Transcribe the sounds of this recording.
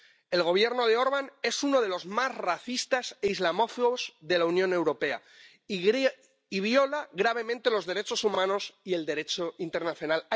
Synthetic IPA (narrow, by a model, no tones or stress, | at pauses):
e̞lɣo̞β̞je̞ɾno̞ð̞eo̞ɾβ̞ane̞suno̞ð̞e̞lo̞zmasraθist̪aseizlamo̞fuɣozðe̞launjõ̞ne̞wɾo̞pe̞a̰ | iβjo̞laɣɾaβ̞e̞mẽnt̪e̞lo̞zðe̞ɾe̞t͡ʃo̞sumãno̞sie̞ld̪e̞ɾe̞t͡ʃoint̪e̞ɾnaθjo̞nala